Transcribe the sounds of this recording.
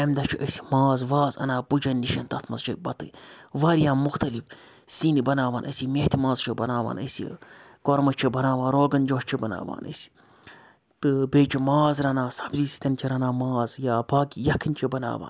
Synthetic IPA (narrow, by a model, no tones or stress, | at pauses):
emd̪ɐt͡ʃʰiʔɐsʲi̥maːzʋaːzɐ̰naːpud͡ʒɐnʲːiʃɐnt̪ɐt̪ʰmɐzt͡ʃʰɐbɐt̪ɨ̰ʋaːɾijãːmuxt̪ɐlif | sinibɐnaːʋaːnʔɐ̰sʲimeht̪ʰimaːzt͡ʃʰibɐnaːʋa̰ːnɐ̰sḭkoɾmɐt͡ʃʰibɐnaːʋaːnɾoːɡɐnd͡ʒoːt͡ʃʰibɐna̰ːʋa̰ːnɐ̰sʲi̥ | t̪ɨbeːt͡ʃʰimaːzɾɐnaːsɐ̥bzisi̥t̪ɐnt͡ʃʰiɾɐnaːmaːzjaːbaːkijɐkʰint͡ʃʰibɐna̰ːʋa̰ːn